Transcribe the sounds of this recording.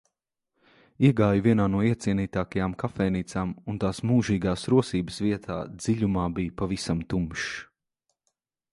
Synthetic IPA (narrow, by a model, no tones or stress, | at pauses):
iɛɡaːjviɛnaːnuɔiɛt̪siɛniːt̪aːkajaːmkafɛjniːt̪saːmunt̪aːsmuːʒiːɡaːsɾuɔsiːbəsviɛt̪ʰaːd̪ziʎʲumaːbijpavisamt̪umʃ